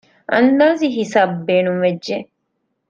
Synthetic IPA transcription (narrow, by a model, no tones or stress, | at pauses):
ʔɐnd̪aːziɦisaːbːeːnumʋed͡ʒd͡ʒʒe